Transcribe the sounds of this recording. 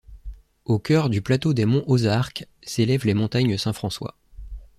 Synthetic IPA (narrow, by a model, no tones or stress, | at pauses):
okʲœʁd̪yplat̪od̪emɔ̃ʔozaʁk | selɛvlemɔ̃t̪aɲəsɛ̃fχɑ̃swa̰